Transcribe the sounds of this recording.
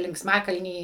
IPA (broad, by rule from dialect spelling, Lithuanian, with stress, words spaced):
lʲɪŋksˈmɑːkɐlʲnʲiː